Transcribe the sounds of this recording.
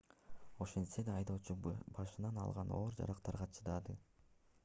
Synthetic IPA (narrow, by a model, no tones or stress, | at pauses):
o̞ʃensed̪ɑːjd̪o̞ːt͡ʃubɑʃɯnɑnɑ̰lˠʁɑnoːɾd͡ʒɑ̰ɾɑqt̪ɑɾʁɑt͡ʃʰɯd̪ɑd̪ɯ